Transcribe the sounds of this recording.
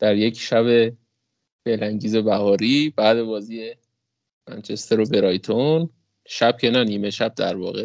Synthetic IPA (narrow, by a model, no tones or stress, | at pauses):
d̪̥æɾje̞cʰʃæβe̞ | fe̞læŋɟiːze̞bæhɒːɾiːb̥æːd̪e̞bɒːziːje | mæ̰nt͡ʃʰe̞st̪ʰeɾobeɾɒːjt̪ʰon | ʃæb̥̚cʰe̞næniːmeʃæb̥̚d̪æɾvɒ̰ːɣe